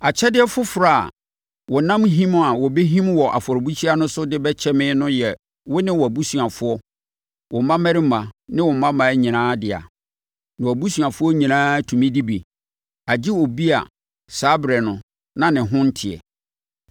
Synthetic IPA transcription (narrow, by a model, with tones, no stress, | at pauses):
a˨t͡ɕʰɛ˦dɪ˦ɛ˦fʊ˦fɾa̰˦˨ | wɔ˨nã˦mɦĩ˦m˦a˨wɔ˨be˦ɦĩ˦mwɔ˨ʔa̰˨fɔ˨ɾbu˦t͡ɕʰi˦a˦nʊ̃˦sʊ˦dɪ˦bɛ˦t͡ɕʰɛ˦mɪ̃˦nʊ̃˦jɛ˨ | wʊ˦nɪ̃˦wɔ˨æ˨bu˦su˨a˨fʊ˦ɔ˦ | wɔ˨mã˦mɛ˦ɾɪ˦mã˨nɪ̃˦wɔ˨mã˦mã˨˦ɲĩ˨nãː˦dɪ˨a̰˨ | nɪ̃˨wɔ˨bu˦su˨a˨fʊ˦ɔ˦ɲĩ˨nãː˦tʰũ˨mĩ˦di˦bi˨ | a˨d͡ʑi˦wɔ˨bi˦a̰˨ | sa˦bɾɛ˨nʊ̃˨ | nã˦nɪ̃˨ɦʊ̃˦n̩˦tʰɪ˨ɛ̰˨